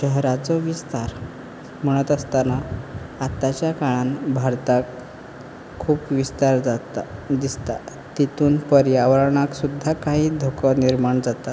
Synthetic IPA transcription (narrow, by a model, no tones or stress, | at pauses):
ɕəɦɾat͡sɔʋist̪aɾ | m̤əɽ̃ət̪əst̪anaat̪at͡ɕjakaɭanbʱaɾt̪akʰː | uːpʋist̪aɾ | d̪ist̪a | t̪it̪uːnpəɾjaʋəɾɭɳaksud̪ʱːakaɦiːd̪ʱokəniɾmaɳd͡zat̪a